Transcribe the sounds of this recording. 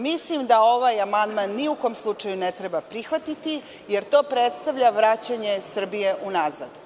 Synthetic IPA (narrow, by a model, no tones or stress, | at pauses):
mislimd̪ao̞ʋajamand̪manːiuko̞mslˠut͡ʃajunet̪ɾebapɾixʋat̪it̪i | je̞ɾt̪o̞ːpɾet̪st̪aʋʎʲaʋɾat͡ɕaɲe̞sr̩bijeʔunazad̪